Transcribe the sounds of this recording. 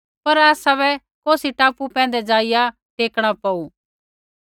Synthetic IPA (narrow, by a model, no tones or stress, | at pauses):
pɐɾaːsaβɛ | koːsiʈaːpupɛ̃ːn̆d̪ɛd͡ʒaːɪja | ʈeːkɽ̃apɐu